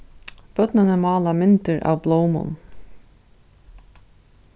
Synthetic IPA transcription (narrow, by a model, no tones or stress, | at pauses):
b̥œt̪nanɛmɑːlamɪnt̪ɪɾʔa̰wbloːwmʊ̰n